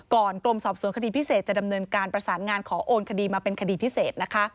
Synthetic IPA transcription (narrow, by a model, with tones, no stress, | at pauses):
kɔː˨˩nk̪ɾo˧msɔː˨˩p̚su˩˦nkʰa˧diː˧pʰi˦˥seː˨˩t̪̚t͡ɕa˨˩da˧mnɤː˧nkaː˧npɾa˧saː˩˦nŋaː˧nkʰɔː˩˦ʔoː˧nkʰa˧diː˧maː˧pe˧nkʰa˧diː˧pʰi˦˥seː˨˩t̪̚na˦˥kʰa˦˥